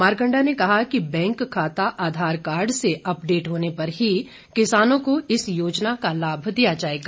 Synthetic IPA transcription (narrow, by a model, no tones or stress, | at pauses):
maːɾkə̃ɳɖanekɐɦakibɛ̃ːŋkʰːaːt̪aʔaːd̪ʱaːɾkaːɾɖseʔɐpɖeːʈɦoːnepɐɾɦi | kɪsaːnõkoɪsjoːd͡ʒnakalaːbʱd̪ijad͡ʒaːeːɡaː